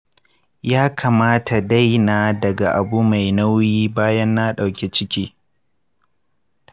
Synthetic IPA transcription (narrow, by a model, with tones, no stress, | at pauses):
jaː˦kʰaː˨maː˦tʰa˨da˦jnaː˨dɐ˨ɡa˨ʔa˨bu˦ma˨jna˦wjiː˦baː˦jɐ˦nːa˦ɗa˨wkʲe˨t͡ʃɪ˦kʲiː˦